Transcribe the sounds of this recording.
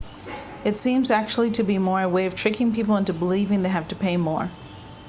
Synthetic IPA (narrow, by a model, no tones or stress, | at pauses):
ɨtsĩmzæk̚t͡ʃul̩ˠiɾɨbimɔɹɨweɪʌv̥tʰɹ̥ɪkɪ̃ŋpipl̩ˠɪ̃ntubəlivɪ̃ŋðeɪɦæftɨpʰeɪmɔɹ